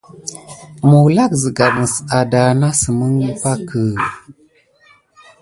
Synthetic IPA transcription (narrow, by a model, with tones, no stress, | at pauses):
mu˨la˦kzi˨ɡa˨mə˨sa˨da˨na˦sə˨mə˦ŋ˦pa˦kə˨